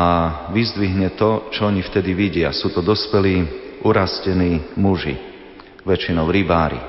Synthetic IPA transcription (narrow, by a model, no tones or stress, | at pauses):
aʋizd̪ʋiɦɲɛt̪ɔt͡ʃɔɔɲift̪ɛd̪iʋiɟɪa̰suːt̪ɔd̪ɔspɛliːuɾascɛniːmuʒḭ | ʋɛt͡ʃinɔʊɾibaːɾḭ